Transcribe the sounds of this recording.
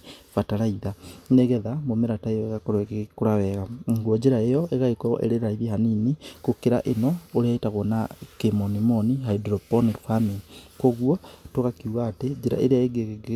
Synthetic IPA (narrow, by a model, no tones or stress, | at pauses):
βataɾaiðaneɣɛðamomeɾataejɔeɣakɔɾekekoɾawɛɣaɡuɔd͡ʒeɾaejɔʔeɣaekɔʔḛɾeɾaiβiɦaninikokeɾaʔenɔoɾɛetaɣwɔnakemɔnimɔniɦaidɾɔpɔnifaminikoɣwɔtoɣakiuɣaːted͡ʒeɾa̰ʔḛɾeaeɡeɡ